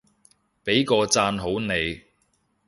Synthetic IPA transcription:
pe˨˥jkɔː˧t͡saː˧nɦo˨˥wne˨˧j

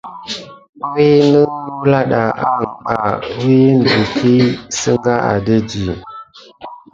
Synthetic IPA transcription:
ɓwi˦nə˦nu˦la˦ɗa˨ʔa˦˨ŋ˨ɓa˨˦wi˦n˨də˨kʰi˦sə˦ŋɡa˦a̰˨də˦d͡ʒi˨

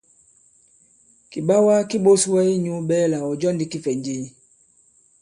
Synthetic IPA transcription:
ki˨ɓa˦wa˦ki˦ɓo˦swɛ˦i˦ɲu˦ɓɛ˦la˨ɔ˨d͡ʒɔ˦ndi˨ki˦fɛ˨ɲd͡ʒi˦ɲ˨

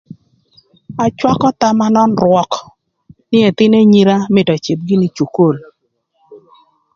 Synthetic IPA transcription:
a˨t͡ʃwa˦kɔ˦t̪a˦ma˦nɔ˦nɾwɔ˦k | nɪ˦e˨t̪ɪ˦ne˦ɲi˦ɾa˦mɪ˨tɔ˨t͡ʃi˨p̚ɡɪ˦nɪ˦t͡ʃu˨ko˦˨l

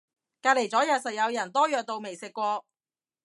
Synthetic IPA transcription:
kaː˧t̚le˨jt͡sɔː˨˥jɐ˨t̚sɐ˨t̚jɐ˨˧wjɐ˨˩nt̪ɔː˥jœː˨k̚t̪o˨˧wme˨˩jsɪ˨kːʷɔː˧

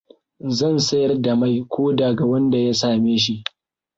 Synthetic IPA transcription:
zɐ˦˨nsɐ˦jɐ˦rda˨ma˦jkʷoː˦daː˨ɡa˨wɐ˦nda˨ja˦saː˨meː˦ʃi˦ʔ

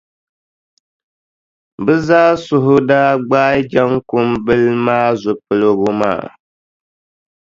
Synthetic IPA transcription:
bɨ˦zaː˦sʊ˨ɦʊ˦daː˦ɡ͡baː˦d͡ʒa˦ŋkʊ˦mbɨ˦lmaː˦zʊ˨pɨ˨lo˨ɣʊ˦ma̰ː˦˨

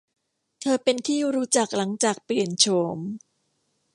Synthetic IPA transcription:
t̪ʰɤː˧pe˧nt̪ʰiː˥˩ɾuː˦˥t͡ɕa˨˩k̚la˩˦ŋt͡ɕaː˨˩k̚pli˨˩ənt͡ɕʰo˧˦m

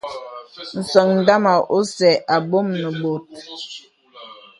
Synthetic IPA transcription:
n̩˨sə˨ŋn̩˨da˦ma˨ʔo˦sɛ˨ʔa˨bo˦mnə˨bo˨t̚

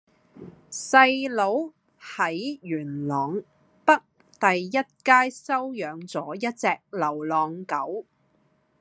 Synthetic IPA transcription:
sɐ˧jlo˨˧w | hɐ˨˥jjyː˨˩nlɔː˨ŋ | pɐ˥k̚ | t̪ɐ˨jːɐ˥t̚kaː˥jsɐ˥wjœː˨˧ŋt͡sɔː˨˥jɐ˥t̚t͡sɛː˧k̚lɐ˨˩wlɔː˨˩ŋkɐ˨˥w

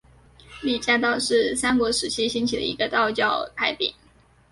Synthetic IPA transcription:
li˥˩t͡ɕja˥t̪̬ɑ˥˧ʊʂɻ̩˥˩sa˥nkwɔ˧˥ʂɻ̩˨˧˥t͡ɕʰi˥ɕi˥nt͡ɕʰi˨˩d̪ə̰˧ḭ˧˥ɡə˧t̪ɑ˥˧ʊt͡ɕjɑ˥˩ʊpʰa˧˥ɪpḭ˨˩˦n

